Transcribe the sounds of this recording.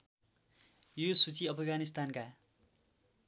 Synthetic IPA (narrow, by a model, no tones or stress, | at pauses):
josut͡siʌpʰʌɡanist̪anka